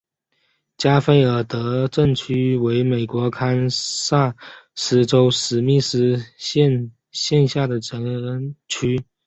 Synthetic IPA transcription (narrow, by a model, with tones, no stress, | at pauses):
t͡ɕja˥fe˥˩ɪə˨˩t̪ɤ˧˥ʈ͡ʂə˥˩ŋt͡ɕʰy˥we˧˥ɪme˨˩ɪkwɔ˧˥kʰa˥nsa˥˩ʂ̩˧˥ʈ͡ʂo˥ʊʂɻ̩˧˥mi˥˩ʂ̩˥ɛ˥˧n | ɕjɛ˥˧nɕja˥˩d̪ə˩ʈ͡ʂə˧˥nə˥nt͡ɕʰy˥